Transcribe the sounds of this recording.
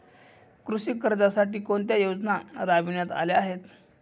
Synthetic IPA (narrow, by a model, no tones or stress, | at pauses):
kɾusikːəɾd͡zasaʈiːkoɳt̪̬jajod͡znaɾaʋinjat̪a̰leaɦet̪